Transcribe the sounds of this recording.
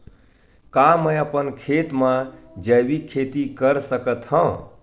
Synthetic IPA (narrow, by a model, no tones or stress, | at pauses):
kaməjəpənkʰet̪mã | d͡ʒəbikʰet̪ikəɾsəkət̪hə̃